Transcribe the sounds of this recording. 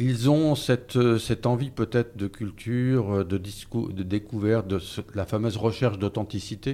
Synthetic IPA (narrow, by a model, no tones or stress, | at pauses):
ilzɔ̃sɛt̪sɛt̪ɑ̃vipøt̪ɛt̪χd̪əkʲylt̪ʰyʁd̪əd̪iskṵd̪əd̪ekuvɛʁt̪̚d̪əslafamøzʁəʃɛʁʃd̪ot̪ɑ̃t̪isit̪e